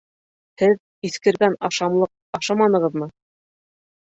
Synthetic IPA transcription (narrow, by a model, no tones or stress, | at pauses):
hɘð | iθkɘ̆ɾɡænɑʃɑmlˠɤq̚ | ɑʃɑmɑnɤ̆ʁɤ̆ðmɤ